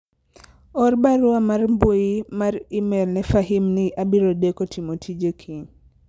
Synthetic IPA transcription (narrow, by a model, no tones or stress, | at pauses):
ɔrbaɾʊamarmbojimaɾɪmɛlnɛfaɦimnɪʔabiɾodekotimotʰid͡ʒekʰi